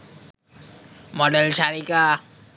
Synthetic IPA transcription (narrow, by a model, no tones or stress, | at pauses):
moɖɛlʃaɾika